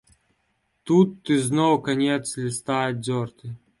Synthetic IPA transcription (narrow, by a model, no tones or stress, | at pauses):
t̪ut̪ːɨznowkɐnʲet̪slʲɪst̪ajɪd̪̚zʲɔrt̪ɨ